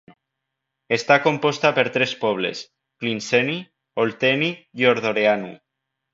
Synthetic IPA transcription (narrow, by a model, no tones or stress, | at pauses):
est̪akompɔst̪apeɾt̪ɾespɔβ̞lḛs | klinseni | olt̪enijoɾð̞oɾeanṵ